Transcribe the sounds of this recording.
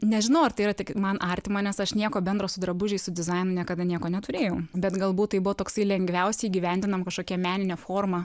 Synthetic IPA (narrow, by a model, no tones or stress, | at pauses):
nʲɛʒʲɪnɐʊɐrt̪ɐɪiɾɐt̪ʲɪkmɐnʔɑɾʲt̪ʲɪmoːnʲɛsɐʃnʲiɛkoːbʲɛnd̪ɾoːsʊd̪ɾɐbʊʒʲɛɪsʊd̪ʲɪzɐɪnʊnʲiɛkɐd̪ɐnʲiɛkoːnʲɛt̪ʊɾʲeːjɛʊbʲɛt̪ɡɐlˠbuːt̪̚tɐɪbʊʋoːt̪oːksɐɪlʲɛŋʲɡʋʲɛʊsʲɛiːɡʲiʋʲɛnʲd̪ʲɪnɐmkɐʃkoːkʲɛmʲæːnʲɪnʲeːfoːrmɐ